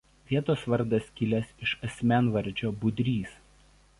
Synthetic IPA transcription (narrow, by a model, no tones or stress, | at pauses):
ʋʲiɛt̪oːsʋɐɾd̪ɐskʲɪlʲɛsɪʃɐsʲmʲæˑnʋɐɾʲˑd͡ʒʲoːbʊd̪ʲɾʲiːs